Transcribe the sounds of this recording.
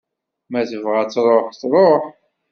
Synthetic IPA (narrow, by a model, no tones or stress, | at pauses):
mæθəvʁæt͡sːɾˤoħθɾˤoħ